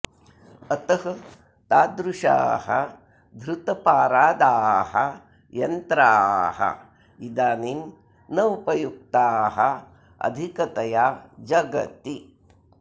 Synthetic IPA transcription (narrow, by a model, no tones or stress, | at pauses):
ɐt̪ɐɦɐ | t̪aːd̪ɾuʂa̰ːɦɐ | d̪ʱɾut̪ɐpaːɾaːd̪aːɦɐ̰ | jɐnt̪ɾaːɦɐ̰ | id̪aːnim | nɐupɐjuk̚t̪aːɦɐ | ɐ̰d̪ʱikɐt̪ɐjaːd͡ʒɐɡɐ̰t̪i